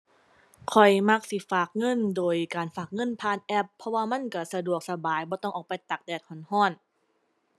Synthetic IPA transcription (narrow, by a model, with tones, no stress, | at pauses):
kʰɔ˨˩jma˧˥˩k̚si˧˩faː˨˩k̚ŋɤ˧˥˨ndoː˨jkaː˨nfaː˨˩k̚ŋɤ˧˥˨npʰaː˧˨nʔɛ˧˥pʰːɔ˧waː˧ma˧˥˨nka˧˩sa˧du˨˩ək̚sa˧baː˨˩jbɔː˧˦t̪ɔ˥˩ŋʔɔː˨˩pa˧jt̪a˨˩k̚dɛː˨˩t̪̚hʰɔ˨˩˦nhɔː˧˥˩n